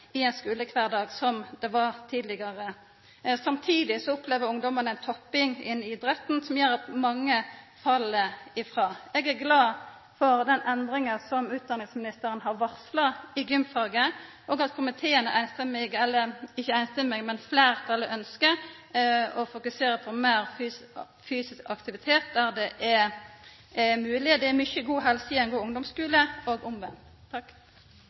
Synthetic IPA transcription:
ɪɛɪnskʉːləkʰʋæːʁd̪ɑːɡsɔmd̪ɛʋɑʁt̪ʰiːd̪lɪɡɑʁə | sɑmt̪ʰiːd̪ɪsɔɔpʰleːʋəɾʊŋd̪ɔmənæɪnt̪ʰɔpːɪŋɪ̰nɪd̪ɾɛt̪ːnsɔmjøːɾɑt̪mɑŋːə | fɑlːəɪfʁɑːɛɡæʁɡlɑː | fɔɾd̪ɛnɛnd̪ɾɪŋənsɔmʉːt̪̚d̪ɑnɪŋsmɪnɪst̪əɾənɦɑʁʋɑʁslɑɪɡʏmfɑːɡə | ʔoːɡɑt̪kʰʊmɪt̪ʰeːənəʔæɪnst̪ɛmɛɡɛlːəɪçːəæɪnst̪ɛmɛɡmɛnflæːʁt̪ʰɑlːəʔœnskə | ɔfʊkʉseːɾəpʰɔmæːʁf | fyːsɪskɑkt̪ɪʋɪt̪ʰeːt̪̚d̪æʁd̪ɛʔɛ | ɛmʉːlɪd̪ɛɛmʏçəɡuːɦɛlsəɪɛɪnɡuːʊŋd̪ɔmskʉːləoːɡʊmʋɛm | t̪ʰɑkː

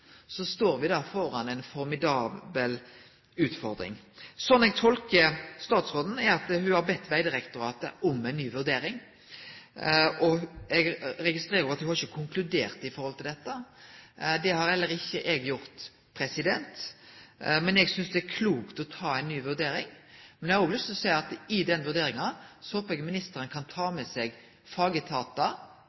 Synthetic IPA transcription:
sɔst̪oːɾʋɪd̪ɑfɔɾɑnɛnfɔɾmɪd̪ɑːbəl | ʉːt̪fɔɾd̪ɾɪ̰ŋsɔnːɛɡ̚t̪ʰɔlkəst̪ɑːt̪sʁoːd̪ən̩ɛɑt̪hʉhɑɾbɛt̪ːʋæɪd̪ɪɾɛkt̪ʊɾɑːt̪ə̰ʔɔmɛɪnːyːʋʉɾd̪eːɾɪŋ | ɔɛɡɾɛɡɪst̪ɾeːɾəɾɑt̪hʉhɑɾɪçːəkʰʊŋklʉd̪eːʁt̪ɪfɔɾhɔlt̪ɪld̪ɛt̪ːə | d̪ɛhɑɾɛlːəɾɪçːəʔɛɡjʊɾt̪ | pʰɾɛsɪd̪ɛnt̪ | mɛnɛɡsʏnsd̪ɛækʰluːkt̪ɔt̪ʰɑːɛɪnːyːʋʉʁd̪eːɾɪŋ | mɛnɛæɾʊblʏst̪ɔsæɪɑt̪ɪd̪ɛnʋʉɾd̪eːɾɪŋɑsɔoːpɛɡəmɪnɪst̪əɾənkʰɑnt̪ʰɑːmɛsɛɡ | fɑːɡət̪ʰɑːt̪ɑ

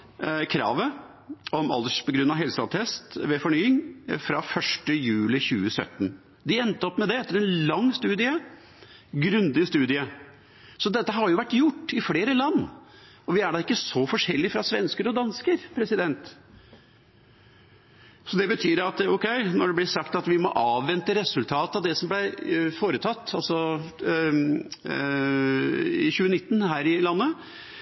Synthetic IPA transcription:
kʰɾɑ̰ːʋə | ɔmɑ̰ld̪əʂpʰɔlɡɾʉnːɑʋɦɛlsɑt̪ʰɛst̪ʋɛfɔɳyːɪŋfɾɑfœʂʈəjʉːlɪçʉːəsœ̰t̪ːn | d̪ɪɛnt̪əɔpːmɛd̪ɛɛt̪ːəɾɛnlɑŋːst̪ʉːd̪ɪə | ɡɾʉnd̪ɪst̪ʉːd̪ɪə | sɔd̪ɛt̪ːəɦɑɾjʊʋæʈːjʊʈːɪfleːɾəlɑnː | ɔʋɪæɖɑɪkːəsɔfɔʂɛlːɪfɾɑsʋɛnskəɾɔd̪ɑnskəɾpʰɾɛsɪd̪ɛnt̪ | sɔd̪ɛbət̪ʰyːɾɑt̪ɔkʰɛɪnɔɖɛblɪʂɑkt̪ɑt̪ʋɪmɔʔɑːʋːɛnt̪əɾɛsʉlt̪ʰɑːt̪ɑʋd̪ɛsɔmblæfoːɾət̪ʰɑt̪ːɑlsɔ | ɪ̰çʉːənɪt̪ːnɦæːɾɪlɑnːə

